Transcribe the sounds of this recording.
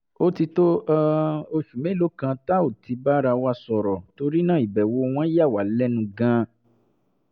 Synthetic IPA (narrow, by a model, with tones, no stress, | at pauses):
o˦ti˧to˦a˦o˧ʃu˨mẽ˨˦˨lo˨˦kã˧ta˦o˦˨ti˧ba˦ɾa˧wa˧˦sɔ˨ɾɔ˨to˧ɾi˦nã˦˨i˨bɛ˨wo˧w̃ã˦ja˦˨wa˨˦lɛ˦nũ˧ɡã˦